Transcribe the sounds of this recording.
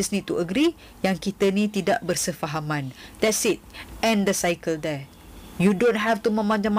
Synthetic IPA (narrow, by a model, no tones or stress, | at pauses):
isnit̪uʔəɡɾi | jaŋkit̪ənĩt̪idaʔbərsəfaɦamãnt̪ɛsit̪̚ɛ̃nd̪əsajkəld̪ɛ | judõnɦɛft̪umə̃mãɲd͡ʒãm